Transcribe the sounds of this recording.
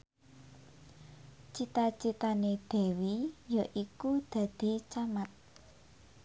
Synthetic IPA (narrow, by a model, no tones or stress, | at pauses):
t͡ʃit̪at͡ʃit̪aned̪̥ɛ̤wijaʔikud̪̥ä̤d̪̥i̤t͡ʃamat̪̚